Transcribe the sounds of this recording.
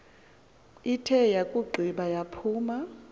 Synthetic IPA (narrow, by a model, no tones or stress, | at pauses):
itʰɛjakʼuɡ͡ǃʱiɓajapʰuːma